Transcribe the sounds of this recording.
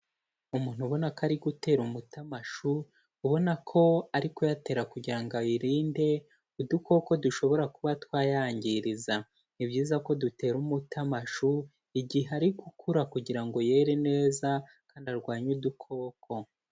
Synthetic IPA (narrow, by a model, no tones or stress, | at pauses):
umuːn̥huβo̞nakaɾiɡute̞ːɾumutamaʃuː | βo̞nakʰo̞aɾiko̞jate̞ːɾakuɟiɾaŋɡaiɾiːnde̞ | udukʰo̞ːko̞duʃo̞βo̞ɾakuβatwaːjaːɲɟiɾiza | nibɟiːzako̞dute̞ːɾumutamaʃu | iɟihɦeaɾiɡukʰuɾakuɟiɾaŋɡo̞je̞ːɾene̞ːza | kaːndiaɾɡwaːɲudukʰo̞ːkʰo̞